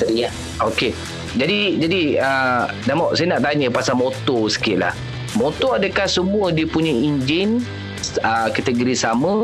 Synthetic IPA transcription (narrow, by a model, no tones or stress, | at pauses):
əɾia | oke | d͡ʒadid͡ʒadiənamɔʔsajənaʔt̪aɲə̃pasamot̪ɔsə̥kiɪʔ̪̚la̰h | mot̪ɔadəkahsəmũədiəpuɲəiɲd͡ʒɪn | əkat̪əɡoɾisamə̃